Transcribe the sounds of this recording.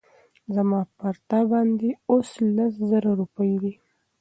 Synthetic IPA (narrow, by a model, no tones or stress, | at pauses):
zamɑpaɾt̪abɑnd̪eoslaszəɾaɾupəjd̪i